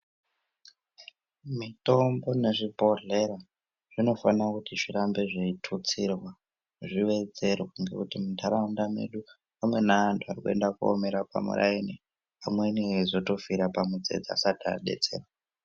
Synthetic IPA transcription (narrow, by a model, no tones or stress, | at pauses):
mito̞mbo̞ne̞ʐibʱo̞ɮe̞ɾa | ʐ̥ino̞fanakutiʐiɾambe̞ʐeitʰut͡sirwa | ʐiʋe̞d͡ze̞rwauŋɡe̞̰kutimitaɾaundame̞̰ɗu | amwe̞naantʰuarikue̞̰ndakuo̰me̞ɾaka̰mṵɾʔa̰ini | amweniezo̞to̞fiɾapamud͡ze̞̰d͡zaa̰sadʱa̰ɗe̞̰t͡se̞ːrwa